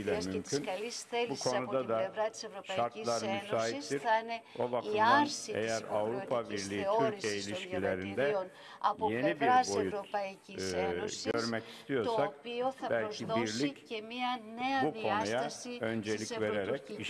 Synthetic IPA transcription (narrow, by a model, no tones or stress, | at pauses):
lʲɛmymcʰynʃbukʰo̞nud̪ad̪aʃaɾt̪lˠaɾmysaːɦiiɾanɛo̞̰vak̪ʰnḛjæɾavɾupʰabiɾlʲiːt̪yɾʰijeilʲiʃkʰilʲeɾind̪ɛ | je̞nibiɾboju | ɟø̞ɾmɛci̥st̪ʰijo̞ɾsak̚bælʲcʰibiɾlʲicmnbupo̞nujaø̞nd͡ʒelʲive̞ɾeɾɛci